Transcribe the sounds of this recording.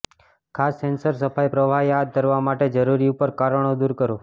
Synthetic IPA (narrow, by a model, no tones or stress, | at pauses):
kʰasːɛnsəɾsəfajpɾəʋʱaɦjad̪̚kəɾʋamaʈed͡ʒəɾuɾiupəɾkaɾəɽ̃od̪uɾkəɾo